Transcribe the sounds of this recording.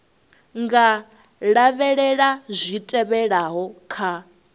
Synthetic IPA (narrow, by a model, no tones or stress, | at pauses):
ŋɡa | ɺaβɛɺɛɺazʷitʼɛβɛɺaɦɔkʰa